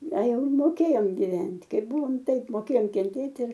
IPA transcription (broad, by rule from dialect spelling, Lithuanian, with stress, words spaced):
ɐ ˈjɛʊ moːˈkʲeːjoːm ɡʲɪˈʋʲɛnʲtʲ ˈkɐɪp ˈbʊʋoːm ˈtɐɪp moːˈkʲeːjoːm kʲɛnʲˈtʲeːtʲ ɪr